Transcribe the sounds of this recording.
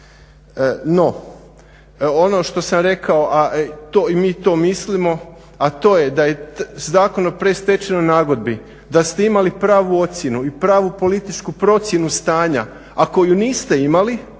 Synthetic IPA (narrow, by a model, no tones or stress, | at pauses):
no̞ | ono̞ʃt̪o̞samɾe̞kaoʔaʔt̪oimiːt̪o̞mislimo̞ | at̪o̞ːje̞d̪aje̞zaːko̞nopɾe̞st̪e̞t͡ʃenonaːɡo̞d̪̚bi | d̪ast̪e̞imalipɾaːʋuo̞t̪sje̞nuipɾaːʋupo̞lit̪it͡ʃkupɾo̞t̪sje̞nust̪aːɲa | ako̞juniːst̪e̞imali